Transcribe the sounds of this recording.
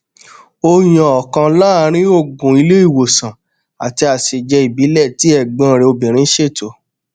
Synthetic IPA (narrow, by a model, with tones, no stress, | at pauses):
o˧j̃ã˧ɔ˨kã˧la˦˧ɾ̃ĩ˦o˦˨ɡũ˨i˧le˦i˦˨wo˨sã˨ | a˨ti˧a˨ʃe˨d͡ʒɛ˧˦i˨bi˨˦lɛ˦˨ti˨˦ɛ˦˨ɡ͡bã˦˨ɾe˧o˧bĩ˨ɾ̃ĩ˨˦ʃe˦˨to˨